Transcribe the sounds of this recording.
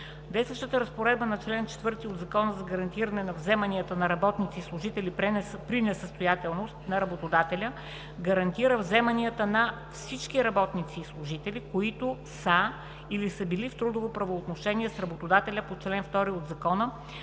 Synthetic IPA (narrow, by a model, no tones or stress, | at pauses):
d̪ɛsəʃt̪ət̪əɾəspoɾɛd̪̚bənɐt͡ʃlɛnt͡ʃɛ̥t̪vɤɾt̪iod̪zɐkɔnəzɐɡɐɾɐnt̪iɾənɛnɐvzɛmɐniət̪ənɐɾɐbɔt̪nit̪siːslˠʊʒit̪ɛlippɾinɛsəst̪ojat̪ɛlˠnost̪nɐɾɐbot̪od̪at̪ɛlʲə | ɡɐɾɐnt̪iɾəvzɛmɐniət̪ənɐ | fsit͡ʃk̟iɾɐbɔt̪nit̪siːslˠʊʒit̪ɛlʲikoit̪ʊ | sə | ilisəbilift̪ɾud̪ovopɾɐvoːt̪noʃɛniɛsɾɐbot̪od̪at̪ɛlʲəpot͡ʃlɛnft̪ɔɾiod̪zɐkɔnə